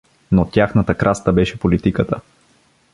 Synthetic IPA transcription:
not̪ʲjaxnət̪əkɾʔast̪əbɛʃɛpolit̪ikət̪ə

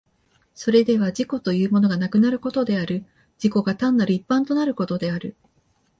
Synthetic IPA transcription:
so̞ɾe̞d̪e̞β̞ad͡ʑiko̞t̪o̞jɯ̟ːmo̞no̞ɡanakɯ̟naɾɯ̟ko̞t̪o̞d̪e̞aɾɯ̟ | d͡ʑiko̞ɡat̪ãnːaɾɯ̟ipːãnt̪o̞naɾɯ̟ko̞t̪o̞d̪e̞aɾɯ̟

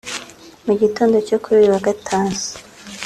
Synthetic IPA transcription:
muɟito̞ːndocokuβiwaɡatʰaːnsḁ

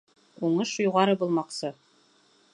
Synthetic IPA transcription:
uɴɤʃjuʁɑɾɤbulˠmɑqsɤ

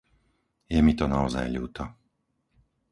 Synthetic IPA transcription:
jɛmit̪ɔnaɔza̰jʎṵːt̪ʰɔ

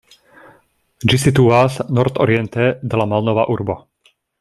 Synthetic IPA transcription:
d͡ʒisit̪uasnɔɾt̪ɔ̰ɾɪɛnt̪ɛd̪ɛlamalnɔʋa̰ːʔuɾbɔ

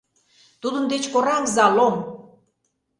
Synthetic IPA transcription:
t̪ud̪ə̆nd̪et͡ɕkoɾɑŋzɑlom

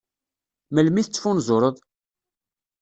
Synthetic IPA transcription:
məlmiθət͡sːfunzˤʊɾˤəðˤ

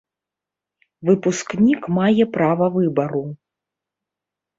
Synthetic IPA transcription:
vɨpusknʲikmajɛpɾavɐvɨbɐɾu

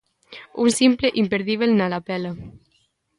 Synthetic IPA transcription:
unsimpleʔimpeɾðiβelnalapɛlə

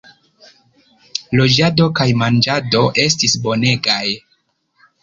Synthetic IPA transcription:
lo̞d͡ʒado̞kajmand͡ʒado̞ʔe̞stisbo̞ne̞ɡaj

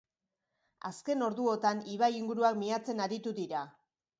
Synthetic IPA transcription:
aske̞no̞ɾðuo̞t̪aniβ̞ajiŋɡuɾuakmiat͡se̞naɾit̪uðiɾa

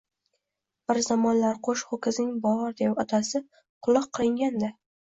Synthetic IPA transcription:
b̥ɪɾzamɒnlaɾqʰoʃχokʰʲɪznɪŋbɒɾd̪epɒt̪ʰasɪ | qʰʊlˠɨqʰːɨlˠɪŋɡʲand̪a

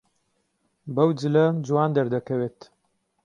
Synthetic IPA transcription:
bɐwd͡ʒɨlɐd͡ʒuwɑːnd̪ɐɾd̪ɐkʰɐweːt̪

